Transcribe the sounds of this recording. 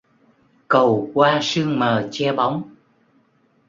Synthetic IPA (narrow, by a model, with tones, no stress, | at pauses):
kə˨˩wkwaː˧sɨ˧əŋməː˨˩t͡ɕɛ˧ɓa˨˦wŋ͡m